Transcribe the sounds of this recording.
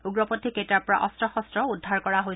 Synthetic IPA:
uɡɹɔpotʰːiketaɹpɔɹa̰ʔɔstɹɔxɔstɹɔudʱaɹkɔɹaɦoj

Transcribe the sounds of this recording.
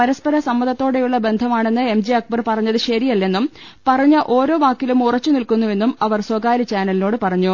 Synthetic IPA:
pɐɾɐspɐɾɐsɐmːɐðɐt̪ːo̞ːɽe̞juɭːɐbe̞nd̪ʱɐmaːɳe̞nːɨe̞md͡ʑiɐk̚bɐrpɐrɐɲːɐðɨɕɐɾijɐlːe̞nːum | pɐrɐɲːɐʔo̞ːɾo̞ːʋaːkːilumurɐt͡ɕːunilkunːue̞nːumɐʋɐrswɐɡaːɾit͡ɕaːnɐlino̞ːɽɨpɐrɐɲːu

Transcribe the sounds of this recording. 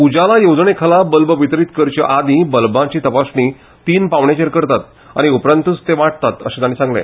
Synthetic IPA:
ud͡ʑalajod͡zɳekʰəlabəlbəʋit̪ɾiːt̪kəɾt͡ɕə̰ʔad̪ĩbəlbãt͡ɕiːt̪əpasɳi | t̪iːnpaʋɳjat͡ɕeɾkəɾt̪at̪ | a̰ɽ̃iupɾənt̪ut͡st̪eʋaʈ̚t̪at̪ə̰ɕẽt̪añisãŋɡlḛ̃

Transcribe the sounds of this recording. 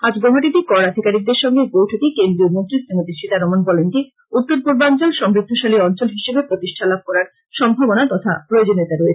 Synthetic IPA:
ad͡ʑɡoɦaʈit̪ikɔɾad̪ʱikaɾik̚d̪eɾʃɔŋɡeɡowʈʰok̪ikend̪ɾiomont̪ɾisiŋot̪iɾʃit̪aɾɔmonbɔlenʈi | ut̪ːoɾpuɾbant͡ɕolʃɔmɾid̪ʱːoʃaliɔnt͡ɕolɦiʃebepɾot̪iʃʈʰalab̚kɔɾaɾ | ʃɔmbʱabonat̪ɔt̪ʰa̰pɾoeod͡ʑonːet̪aɾɔet͡ɕʰe̥

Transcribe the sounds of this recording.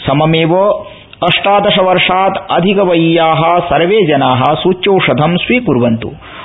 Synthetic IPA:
sɐmɐmeːʋɐ | ɐʂʈaːd̪ɐʂɐʋɐɾʂaːt̪ɐd̪ʱikɐʋɐjjaːɦɐ̆sɐɾʋeːd͡ʒɐnaːɦɐ̆suːt͡ʃːjoːʂɐd̪ʱɐmsʋiːkuɾʋɐnt̪ṵ

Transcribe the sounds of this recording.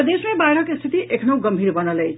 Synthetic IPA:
d̪esmebajɾʌkest̪ʰit̪iʔekʰnow̃ɡəmbʱiɾbənəlejʰ

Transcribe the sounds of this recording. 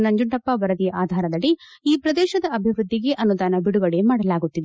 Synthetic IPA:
nɐɲd͡ʒuɳʈɐpːɐbɐɾɐd̪ijɐʔaːd̪ʱaːɾɐd̪ɐɭːi | iːpɾɐd̪ɛːʃɐd̪ɐɐbʱiʋɾud̪ːiɡe̞ʔɐnːud̪aːnɐbiɽuɡɐɽemaːɽɐlaːɡut̪ːid̪e

